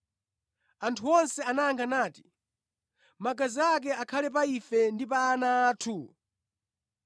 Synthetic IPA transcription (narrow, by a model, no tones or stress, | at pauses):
antʰuɔnsɛanajaŋɡʰanaːti̥ | maɡaziak̬ɛakʰalɛp̬aifɛndipaːnaːtʰu